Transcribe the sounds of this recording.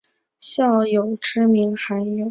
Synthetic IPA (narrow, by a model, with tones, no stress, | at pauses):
ɕjɑ˥˩ʊjo˨˩ʊʈ͡ʂɻ̩˥mi˧˥ŋxa˧˥njo˨˩˦ʊ